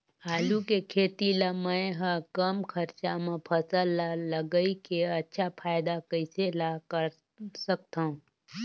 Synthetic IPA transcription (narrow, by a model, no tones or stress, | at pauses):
aːlukekʰeːt̪ilamə̃jɦəkəmkʰəɾt͡ʃamẽpʰəsəlləɡəikeətːʃʰapʰaːɪd̪akəiselakəɾ | sək̚t̪aũ